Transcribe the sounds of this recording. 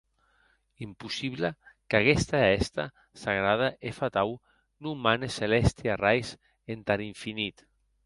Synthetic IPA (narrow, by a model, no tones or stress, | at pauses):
impusiβlakaɣɛst̪aɛst̪a̰ | saɣɾað̞aʔefat̪aw | numaneselɛst̪iarajs | ent̪aɾiɱfinit̪